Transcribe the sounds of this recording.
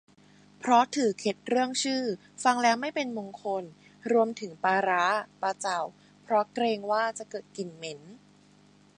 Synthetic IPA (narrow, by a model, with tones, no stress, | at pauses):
pʰɾɔ˦˥t̪ʰɯː˨˩˦kʰe˦˥t̪̚ɾɯ˥˩əŋt͡ɕʰɯː˥˩ | fa˧ŋlɛː˦˥wma˥˩jpe˧nmo˧ŋkʰo˧n | ɾu˧əmt̪ʰɯ˩˦ŋpaː˧ɾaː˦˥paː˧t͡ɕa˨˩w | pʰɾɔ˦˥kɾeː˧ŋwaː˥˩t͡ɕa˨˩kɤː˨˩t̪̚ki˨˩nme˩˦˥n